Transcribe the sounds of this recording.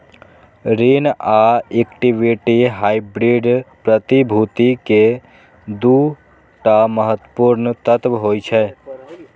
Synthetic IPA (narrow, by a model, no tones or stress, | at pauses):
ɾinaekʈiʋiʈiɦajbɾiɖpɾət̪ibʱut̪ike | d̪u | ʈaməɦət̪ːpuɾnt̪ət̪ʋɦojt͡ʃʰɛ